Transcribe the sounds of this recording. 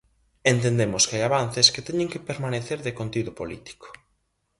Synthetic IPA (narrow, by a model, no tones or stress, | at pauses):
ent̪end̪emʊskɪajaβan̟θesket̪ɛɲẽŋkepeɾmaneθeɾðɪkont̪iðʊpolḭt̪i̥ko̥